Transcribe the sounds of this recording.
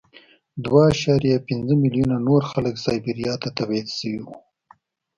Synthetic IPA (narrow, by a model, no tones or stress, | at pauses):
d̪waːʃɑɾijapɪnzəmɪlijunanoɾxaləksɑjbiɾijɑt̪at̪awed̪ʃəwiwu